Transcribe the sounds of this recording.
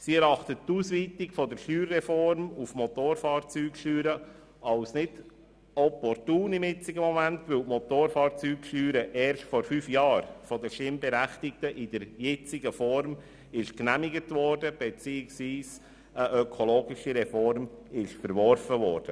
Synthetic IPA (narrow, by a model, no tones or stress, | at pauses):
siɛɾɑχtəttuːsʋiːtɪkfɔdəɾʃyːɾːɛfɔɾmufmɔt̪oːɾfɑːɾt͡syːkʃyːɾə | ɑʊsnɪd | ɔpɔɾtuːnɪmɪt͡sɪɡəmɔmæntʋɪwtmɔtoːɾfɑːɾt͡syːkʃyːɾəʔɛːɾʃtfɔɾfyːfjɑːɾfɔdəʃtɪmbɛɾæχtɪk̚təʔɪd̥əɾjɛt͡sɪɡəfɔɾm | ɪʃknæmɪɡətʋɔɾdəb̥ɛt͡siːɪksʋiːs | əʔœkʰoloːɡɪʃiɾɛfɔɾmɪʃfəɾʋɔɾfəʋɔːɾd̥ə